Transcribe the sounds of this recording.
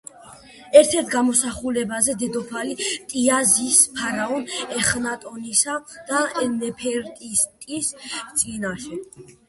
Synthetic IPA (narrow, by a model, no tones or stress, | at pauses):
ɛɾt̪ʰɛɾt̪ʰɡamɔsaχulɛbazɛd̪ɛd̪ɔpʰalit̪ʼiazispʰaɾaɔnɛχnat̪ʼɔnisad̪̥aɛnɛpʰɛɾt̪ʼist̪ʼist̪sʼinaʃɛ